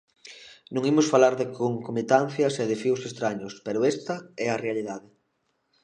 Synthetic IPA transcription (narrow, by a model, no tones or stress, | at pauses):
nũŋimʊsfalaɾðɪkoŋkomet̪an̟θjɐsɛðɪfiwsest̪ɾaɲʊspɛɾʊɛst̪ɐɛɐrealiðaðɪ